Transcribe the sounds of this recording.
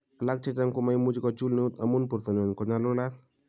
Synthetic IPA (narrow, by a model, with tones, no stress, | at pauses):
a˨lak̚t͡ʃɪ˦ta˦ŋkʊ˦ma˦jmu˦d͡ʒi˦kɔt͡ʃu˦lno˦t̪a˨mu˦npu˨ɾt̪ɔ˨ɲɔ˨nkɔ˨ɲalʊ˦la˦t̚